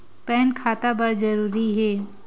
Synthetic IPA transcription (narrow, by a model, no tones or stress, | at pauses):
pɛːnkʰaːt̪abɐɾd͡ʒɐɾuːɾiɦɛː